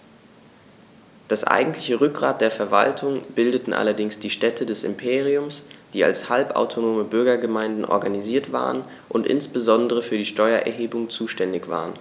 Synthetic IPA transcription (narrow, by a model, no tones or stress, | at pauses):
d̥asʔa̰ɪɡŋ̩tʰlɪçəʁʏk̚ɡ̥ʁaːt̚d̥eːɐfɛɐva̰ltʰʊŋb̥ɪldətn̩ʔa̰lɐdɪŋsd̥iːʃtɛtʰədɛsɪ̰mpʰeːʁiʊmsd̥iːa̰lshalpʔa̰ʊtʰonoːməbʏɐɡɐɡəmaɪndn̩ʔɔ̰ɐɡaniziːɐtv̥a̰ːʁən | ʔʊntʔɪ̰nsb̥əzɔndəʁ̞əfyːɐdiːʃtɔʏɐʔɛ̰ɐɦeːbʊŋt͡suːʃtɛndɪçv̥a̰ːʁən